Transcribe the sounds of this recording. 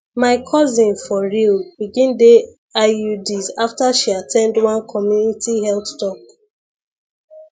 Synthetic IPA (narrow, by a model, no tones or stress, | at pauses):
maɪkʰɔzĩnfɔɹilbiɡĩnde | audizaftaʃiatʰɛ̃ndwãnkʰɔmjunitʰihɛlθtɔk̚